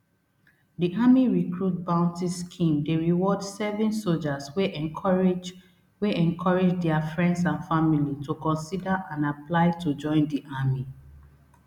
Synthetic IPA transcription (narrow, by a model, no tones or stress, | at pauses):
diʔamiɹikɹut̚bãʊ̃ntiskʰĩmdeɹiwɔdsɛvɛ̃nsold͡ʒaswe | d͡ʒ | weʔɛ̃nkʰɔɹed͡ʒdɛafɹɛ̃ndsãnfamilitukɔ̃nsidaʔãnaplaɪtud͡ʒɔ̃ɪ̃ndiʔami